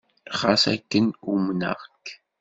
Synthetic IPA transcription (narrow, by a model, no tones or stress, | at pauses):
χasæ̰kːənumnə̰ʁk